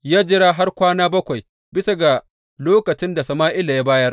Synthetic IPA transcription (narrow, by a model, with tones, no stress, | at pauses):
jaː˦d͡ʒɪ˦ɾaː˦ɦa˦rkʷaː˦naː˦bɐ˦kʷa˨j | bɪ˦sa˦ɡa˨ | loː˦kɐ˨t͡ʃɪ˦nda˨sɐ˨maː˦ʔɪ˦la˨ja˦baː˦jɐ˦r